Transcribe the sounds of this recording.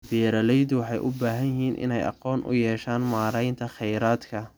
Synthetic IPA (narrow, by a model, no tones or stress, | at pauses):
bɛːɾɐlɛjd̪ʊwɑħɑjʔʊbaːɦɐjɪhiːnʔɪ̰nɛjʔɑ̰qɔːnʔʊ̰jɛːʃaːnmaːɾɛjnt̪ʰɐχɛjɾaːd̪kʰɐ